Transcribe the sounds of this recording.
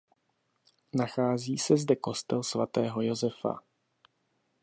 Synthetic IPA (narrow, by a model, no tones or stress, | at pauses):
naxaːziːsɛzdɛko̞st̪ɛlsvat̪ɛːɦo̞jo̞zɛfa̰